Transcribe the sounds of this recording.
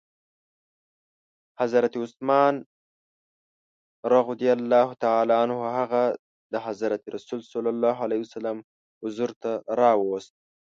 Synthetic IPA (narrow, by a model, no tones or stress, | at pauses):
hazɾat̪iʊsmɑːn | ɾɑɣʊd̪ijalːɑːɦut̪aʕaːlɑanhʊɦaɣa | d̪əɦazɾat̪iɾasulsalɑlːɑːɦalahiwsalam | hʊzuɾt̪aɾɑwost̪̚